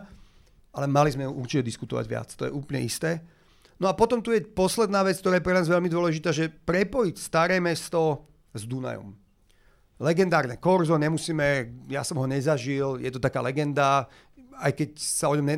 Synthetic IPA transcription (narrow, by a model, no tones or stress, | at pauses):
ʔalɛmalizmɛjuʔuɾt͡ʃicɛd̪iskut̪ɔ̰ʋa̰ɟʋɪa̰t͡st̪ɔjɛ̰ʔuːplɲɛ̰ʔist̪ɛː | nɔapɔt̪ɔmt̪ujɛpɔslɛd̪naːʋɛt͡skt̪ɔɾaːjɛpɾɛnaːzʋɛʎmid̪ʊɔlɛʒit̪aːʒɛpɾɛpɔjicst̪aɾɛːmɛst̪ɔ | zd̪una̰jɔ̰m | lɛɡɛnd̪aːɾnɛkɔɾzɔɲɛmusiːmɛja̰sɔmɦɔɲɛzaʒiljɛt̪ɔt̪akaːlɛɡɛnd̪a | ajkɛcsaɔɲɔmɲɛ